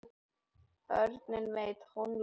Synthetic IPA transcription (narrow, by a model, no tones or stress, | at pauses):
œɾt̪nɪnvejt̪hɔnl